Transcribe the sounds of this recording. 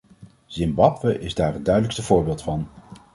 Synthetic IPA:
z̥ɪmbɑpwəʔɪzdaːɹən̚dœɥdələkstəvʊːɹbeːlˠtfɑn

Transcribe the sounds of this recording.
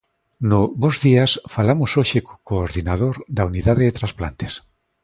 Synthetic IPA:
nʊβozðiasfalamʊsoʃeko̥koːɾðinað̞oɾd̪auniðaðeðet̪ɾaspla̰nt̪e̥s

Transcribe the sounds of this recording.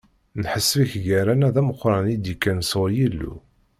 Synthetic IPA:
nħəsːfiçʝæɾænæðæməqːɾˤɑnid̪ikːænsoɾjilːṵ

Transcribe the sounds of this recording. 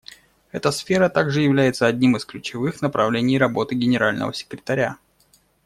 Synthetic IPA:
ɛt̪əsfʲe̞ɾət̪aɡʐɨjɪvlʲæjɪt̪səɐdʲnʲimɨsklʲʉt͡ɕɪvɨxnəpɾʔɐvlʲenʲɪjrɐbo̞t̪ɨɡʲɪnʲɪɾalʲnə̰və̰sʲɪ̥kɾʲɪt̪ɐɾʲa

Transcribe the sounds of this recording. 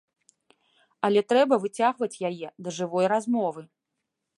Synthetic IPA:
ɐlʲɛt̪ɾɛbɐvɨt͡sʲaɣvɐt͡sʲjajɛd̪ɐʐɨvɔjrazmɔvɨ

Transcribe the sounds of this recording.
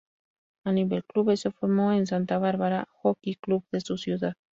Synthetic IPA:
aniβelkluβesefoɾmoens̬ant̪aβaɾβaɾaxokikluβðe̞susjuðað

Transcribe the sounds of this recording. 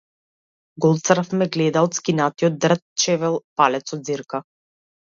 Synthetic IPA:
ɡɔlˠt̪sɾfmɛɡlɛd̪aɔt̪skinat̪iɔd̪̚d̪r̩t̪̚t͡ʃɛvɛlˠpalɛt̪sɔd̪ziɾka

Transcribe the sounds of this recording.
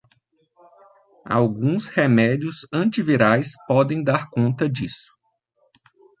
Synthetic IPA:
a̰wɡũshemɛd͡ʒiʊsɐ̃t͡ʃiviɾajspɔd̪ẽj̃d̪aɾkõnt̪ɐd͡ʒisʊ̥

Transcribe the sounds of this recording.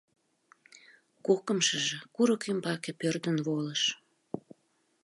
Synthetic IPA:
kokəmʃəʒĕkuɾəkymbɑkepørd̪ənβoləʃ

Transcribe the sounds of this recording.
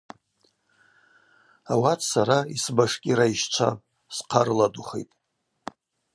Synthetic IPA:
awatʰsaɾaisbaʂkʲʼiɾaiʃt͡ʃʷʰa̰ | sqʰaɾladuχḛjtʼ

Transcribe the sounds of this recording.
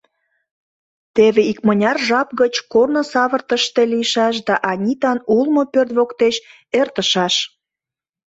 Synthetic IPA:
t̪eβeikmənʲɑrʒɑp̚ɣət͡ɕkornosɑβərt̪əʃt̪e̽liʃɑʃ̬d̪ɑʔɑnʲit̪ɑnulmopørt̪βokt̪eʃ | ert̪əʃɑʃ

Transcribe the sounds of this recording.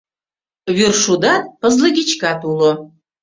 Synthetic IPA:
βyrʃud̪ɑt̪̚pəzləɡʲit͡ɕkɑt̪ulŏ

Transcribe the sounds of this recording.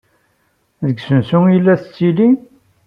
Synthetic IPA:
ðəɡsənsujlːæθət͡sːili

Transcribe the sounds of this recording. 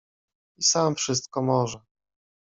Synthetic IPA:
isamfʂɘst̪̚kɔmɔʐɛ

